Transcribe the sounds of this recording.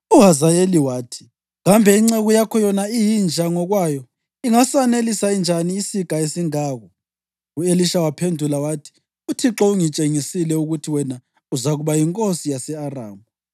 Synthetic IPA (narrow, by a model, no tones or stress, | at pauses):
uɦazajeliwaːtʰi̥ | ɣambʱɛiŋ͡ǀeɣujakʰɔjɔnaijind͡ʒʱaŋɔɣwajɔ | iŋasanelisaind͡ʒʱaniːsikʼaesiŋaːɣɔ | ueliʃawapʰendʱulawatʰi̥ | utʰiǁɔuŋit͡ʃʼeŋisilɛuɣutʰiwɛna | uzaɣuβajiŋkʼosijasɛara̰ːŋu